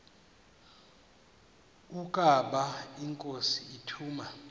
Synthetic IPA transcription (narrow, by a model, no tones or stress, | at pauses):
ukʼaɓaiŋkʼosiitʰuːma